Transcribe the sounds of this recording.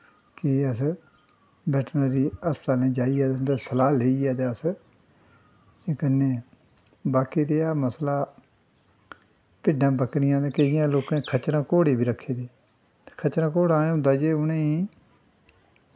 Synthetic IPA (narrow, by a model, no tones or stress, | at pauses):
kɪəs | bɛːʈnaːɾiːəst̪aːlẽːd͡ʒaːiːaːt̪end̪eːsəlaːleːiːɛːd̪eːəs | eːkənːeː | baːkiːd̪eːaːməslaː | pɪɖãːbəknɪjãːd̪eːkəɪjãːloːkãːkʰət͡ʃɾãːkoːɽeːbiːɾəkʰːeːd̪eː | kʰət͡ʃɾãːkoːɽãːẽʊ̃d̪aːd͡ʒeːʊnẽːiː